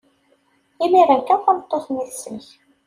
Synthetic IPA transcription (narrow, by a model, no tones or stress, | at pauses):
imiɾakːæfənət̪ˤːoθniθsːənç